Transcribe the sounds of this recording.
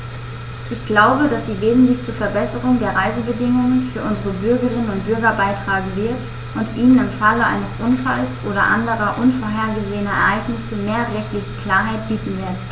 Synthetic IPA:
ʔɪçɡ̥laʊbədasz̥iːveːzn̩tlɪçt͡suːɐfɛɐbɛsəʁʊŋdeːɐʁaɪzəbədɪŋʊŋənfyːɐʔʊnzəʁəbʏɐɡəʁɪnənʊnt̚b̥ʏɐɡɐbaɪtʁ̥aːɡŋ̩vɪɐt | ʔʊntʔiːnənɪmfaləʔa̰ɪnəsʔʊnfalsʔoːɾɐ̰ʔa̰ndəʁɐʔʊnfoːɐɦeːɐɡəzeːənɐɛ̰ɐʔaɪɡnɪsəmeːɐʁɛçtlɪçəkl̥aːɐɦaɪt̚b̥iːtn̩vɪɐt

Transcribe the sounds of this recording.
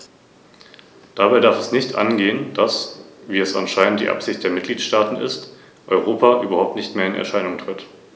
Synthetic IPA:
d̥abaɪdaɐfɛsnɪçtʔa̰nɡeːənd̥asviːɛsʔa̰nʃaɪnənt̚d̥ḭːʔa̰pz̥ɪçt̚d̥eːɐmɪt̚ɡ̥liːtʃtaːtn̩ʔɪ̰st | ʔɔʏʁoːpʰaʔyːbɐhaʊp̚tnɪçtmeːɐɪnɛ̰ɐʃaɪnʊŋtʁ̥ɪt

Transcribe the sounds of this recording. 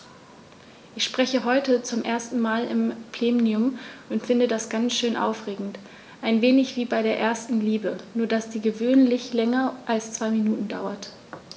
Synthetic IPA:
ʔɪçʃpʁ̥ɛçəɦɔʏtət͡sʊmʔeːɐstn̩maːlɪ̰mpl̥eːmniʊmʊntfɪndədasɡ̥ant͡sʃøːnʔa̰ʊfʁ̥eːɡŋ̩t | ʔaɪnveːnɪçv̥iːbaɪɾeːɐʔeːɐstn̩liːbənuːɐdasd̥iːɡəvøːnlɪçlɛŋɐʔalst͡sv̥aɪminuːtn̩daʊɐt

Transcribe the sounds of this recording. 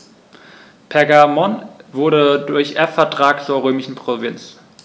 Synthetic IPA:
pʰɛɐɡamɔnvʊɐɾədʊɐçʔɛɐfɛɐtʁ̥aːkt͡suːɐʁøːmɪʃn̩pʁ̥ovɪnt͡s

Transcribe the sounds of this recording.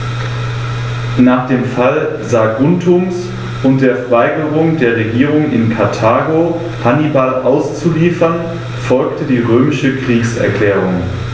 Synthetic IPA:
naːχd̥eːmfal | zaɡʊntʰʊms | ʔʊnt̚d̥eːɐfɛɐvaɪɡəʁʊŋdeːɐʁ̞eɡiːʁʊŋɪ̰nkʰaɐtʰaːɡo | hanibalʔaʊst͡suliːfɐn | fɔlktʰədiːʁøːmɪʃəkʁ̥iːksɛ̰ɐkl̥ɛːʁʊŋ

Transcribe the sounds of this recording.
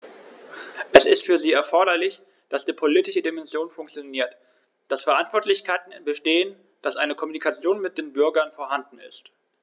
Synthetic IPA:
ʔɛsɪstfyːɐziːɛɐfɔɐɾɐlɪç | d̥asd̥iːpʰoliːtɪʃədimɛnzjoːnfʊŋkt͡sjoniːɐt | d̥asfɛɐʔantv̥ɔɐtlɪçkaɪtn̩bəʃteːən | d̥asʔaɪnəkʰɔmunikʰat͡sjoːnmɪt̚d̥eːnbʏɐɡɐnfoːɐɦandn̩ɪ̰st

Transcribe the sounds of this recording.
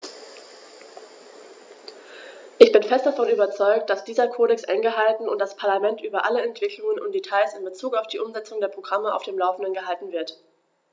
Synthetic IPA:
ʔɪçb̥ɪnfɛstd̥afɔnyːbɐt͡sɔʏk̚t̚d̥asd̥iːzɐkʰoːɾɛksʔɛ̰ŋɡəɦaltn̩ʊntd̥aspʰaɐlamɛntʔyːbɐʔaləɛntv̥ɪkʰlʊŋənʊ̰nt̚d̥etʰaɪsɪnbət͡suːkaʊfd̥iːʔʊmzɛt͡sʊŋdeːɐpʁ̥oɡʁaməʔa̰ʊfd̥eːmlaʊfn̩dənɡəɦaltn̩vɪɐt

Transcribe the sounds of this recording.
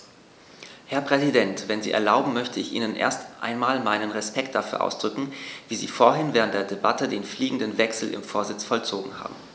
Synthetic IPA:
hɛɐpʁ̥ɛzidɛntv̥ɛnzḭːʔɛ̰ɐlaʊbm̩mœçtʰəɪçʔḭːnənʔḛːɐstʔa̰ɪnmaːlmaɪnənʁɛspɛkt̚d̥afyːɐʔa̰ʊsd̥ʁʏkŋ̩viːzḭːfoːɐɦɪnvɛːʁ̞əntd̥eːɐdeba̰tədeːnfliːɡŋ̩dənvɛksl̩ʔɪ̰mfoːɐzɪt͡sfɔlt͡soːɡŋ̩ha̰ːbm̩

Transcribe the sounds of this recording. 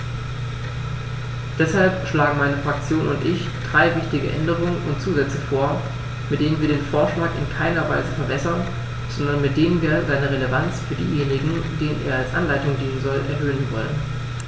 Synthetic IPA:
d̥ɛshalpʃlaːɡŋ̩maɪnəfʁ̥ak̚t͡sjoːnʊntʔɪç | d̥ʁaɪvɪçtɪɡəʔɛ̰ndəʁ̞ʊŋənʊntt͡suːzɛt͡səfoːɐ | mɪt̚d̥eːnənviːɐdeːnfoːɐʃlaːkɪ̰nkʰaɪnɐva̰ɪzəfɛɐbɛsɐn | z̥ɔndɐnmɪt̚d̥eːnənviːɐzaɪnəʁeləvant͡sfyːɐdiːjeːnɪɡŋ̩deːnənʔḛːɐalsʔa̰nlaɪtʊŋdiːnənzɔlʔɛɐɦøːənvɔ̰lən

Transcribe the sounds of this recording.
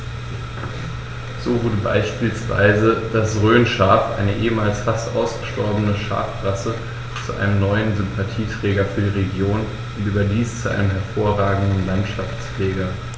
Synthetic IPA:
z̥oːvʊɐdəba̰ɪʃpiːlsv̥a̰ɪzəd̥asʁøːnʃaːfʔa̰ɪnəʔeːəmaːlsfastʔaʊsɡ̥əʃtɔɐbənəʃa̰ːfʁasə | t͡suʔa̰ɪnəmnɔʏənzʏmpʰatʰiːtʁ̥ɛːɡɐfyːɐdiːʁeɡjoːn | ʊntʔyːbɐdiːst͡suʔa̰ɪnəmɦɛɐfoːɐʁaːɡŋ̩dn̩lantʃaft͡sfleːɡɐ

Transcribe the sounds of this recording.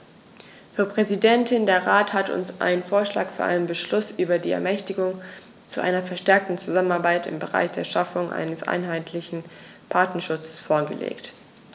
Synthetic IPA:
fyːɐpʁ̥ɛzidɛntʰɪndeːɐʁaːthatʊ̰nsʔa̰ɪnənfoːɐʃla̰ːkfyːɐʔaɪnənbəʃlʊsʔyːbɐdiːɛ̰ɐmɛçtɪɡʊŋ | t͡suʔa̰ɪnɐfɛɐʃtɛɐk̚tn̩t͡suzamənaɐbaɪtɪ̰mbəʁa̰ɪçd̥eːɐʃafʊŋʔa̰ɪnəsʔa̰ɪnɦaɪtʰlɪçn̩ | pʰaɐtnɐʃʊt͡sə̥sfoːɐɡəlḛːkt

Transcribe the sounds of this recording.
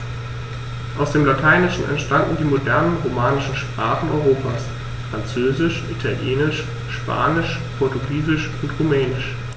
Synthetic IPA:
ʔaʊsd̥eːmlatʰaɪnɪʃn̩ɛ̰ntʃtandn̩diːmodɛɐnənʁomaːnɪʃn̩ʃpʁ̥aːχn̩ɔʏʁoːpʰaːs | fʁ̥ant͡søːzɪʃʔitʰaljeːnɪʃ | ʃpʰa̰ːnɪʃ | pʰɔɐtʊɡiːzɪʃʔʊntʁumɛːnɪʃ

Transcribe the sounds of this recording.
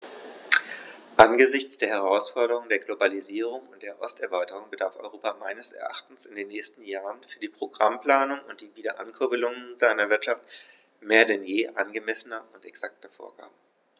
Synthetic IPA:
ʔanɡəzɪçt͡sd̥eːɐhɛʁ̞aʊsfɔɐɾəʁʊŋdeːɐɡlobaliziːʁ̞ʊŋʊnt̚d̥eːɐʔɔstɛɐvaɪtəʁ̞ʊŋbədaɐfʔɔ̰ʏʁoːpamaɪnəsɛ̰ɐʔa̰χtn̩sɪndeːnːɛːstn̩jaːʁənfyːɐdiːpʁ̥oɡʁampl̥aːnʊŋʊnt̚d̥iːviːdɐʔankʰʏɐbəlʊŋənzaɪnɐvɪɐtʃaft | meːɐdɛnjeːʔanɡəmɛsənɐʊntɛksak̚tɐfo̰ːɐɡ̥a̰ːbə

